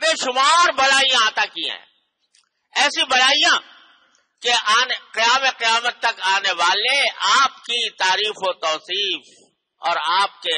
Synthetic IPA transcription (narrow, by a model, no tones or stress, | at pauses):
bẽːʃʊmaːɾbɐlaːijãaːt̪akiã̰ɦɛ̰̃ | ɛːsibɐlaːijã | keaːnqɪjaːmeqɪjaːmət̪ːɐkaːneʋaːleaːpkit̪aːɾiːfot̪ɔːsiːf | ɔ̰ːɾaːp̚ke